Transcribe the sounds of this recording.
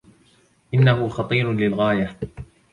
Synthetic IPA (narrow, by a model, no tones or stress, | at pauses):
ʔɪnːahʊxɑt̪ˤiːɾlɪlɣaːja